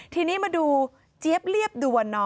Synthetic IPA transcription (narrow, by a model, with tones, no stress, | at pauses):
t̪ʰiː˧niː˦˥maː˧duː˧ | t͡ɕi˦˥əp̚li˥˩əp̚duː˧wa˧nːɔː˦˥